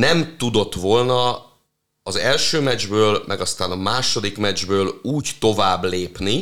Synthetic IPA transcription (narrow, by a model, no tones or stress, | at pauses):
nɛmt̪ud̪o̞t̪ːʋo̞lnɒ | ɒzɛlʃøːmɛd͡ʒbøːlmʔɛɡɒst̪aːnɒmaːʃo̞d̪ikmɛd͡ʒbøːluːct̪o̞vaːbːleːpni